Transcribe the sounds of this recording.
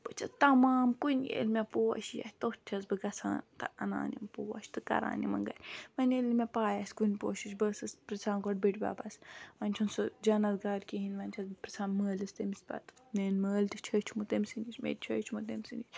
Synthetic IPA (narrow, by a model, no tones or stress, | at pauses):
pɨt͡ʃʰɐt̪ɐmaːmkunʲḛlʲmʲepoːɐ̰ʃjɐ̰hʲt̪ot͡ʃʲʰɐzbɨɡɐt͡sʰa̰ːnt̪ɐɐna̰ːnimpoːɐ̰ʃʲt̪ɨkɐ̰ɾa̰ːnimɐ̰ŋɡɐ̰lʲʋɐnelʲmʲepaːjɐsʲkunʲpoːʃit͡ʃʲbəsɨspɾɐt͡sʰaːnkoʈ̚biʈʲba̰ːbɐsʋɐnʲt͡ʃʰunsɨd͡ʒɐnɐzɡaːɾʲkiɦinʲʋɐnʲt͡ʃʰɐzbɨpɾɐt͡sʰaːnməːlɨst̪ɐmisʲbɐ̰t̪neːnməːlt̪it͡ʃʰɐt͡ʃʰumut̪emʲsinisʲmḛt͡ʃʰəːt͡ʃʰmut̪emʲsinit͡ʃʲ